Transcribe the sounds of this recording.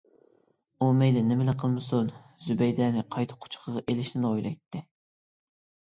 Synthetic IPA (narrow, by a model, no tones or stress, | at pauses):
umejlɪnɪmɪlɪqʰəlˠmɨsun | zybɛjd̪ɛːnɪqʰɑjt̪ʰə̥qʰʊ̥t͡ʃʰqʰəʁɑʔelɪʃnɪnojlˠɑ̰jt̪ʰːɪ